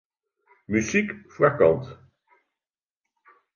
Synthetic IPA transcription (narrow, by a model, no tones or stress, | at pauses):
myzikfrakɑ̰nt̪